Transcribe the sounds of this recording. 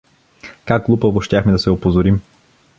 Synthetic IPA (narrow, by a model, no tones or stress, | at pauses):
kakɡlˠupəvoʃt̪ʲjaxmɛd̪ɐsɛopozoɾim